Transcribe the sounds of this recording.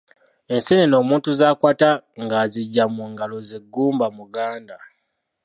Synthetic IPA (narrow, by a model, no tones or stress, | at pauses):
e̞nseneno̞ːmuːntuzaːkwaːtaŋɡaziɟːamuŋɡalo̞zeɡːuːmbamuɡaːnda